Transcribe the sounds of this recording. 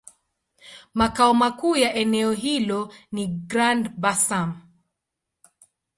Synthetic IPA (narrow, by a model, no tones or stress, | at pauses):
makaɔmakuːjaʔɛnɛɔɦilɔniɡɾandbasam